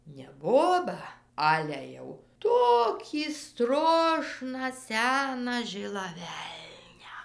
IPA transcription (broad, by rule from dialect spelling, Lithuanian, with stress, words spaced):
nʲɛ ˈboːbɑː ˈɑːlʲɛ jɛʊ ˈtoːkʲiː ˈstroːʃnɑː ˈsʲæːnɑː ˈʒʲɪlˠɑː ˈʋʲɛlʲnʲæː